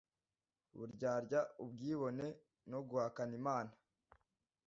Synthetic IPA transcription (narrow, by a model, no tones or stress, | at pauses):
βṵɾɟaːɾɟaubɡiːβo̞ne̞ | noɡuhakanimaːna